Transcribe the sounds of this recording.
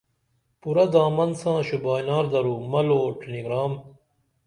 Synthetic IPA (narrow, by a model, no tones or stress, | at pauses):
puɾɐd̪aːmɐnsãːɕubaːjnaːɾd̪ɐɾuːmɐloːʈeniɡɾaːm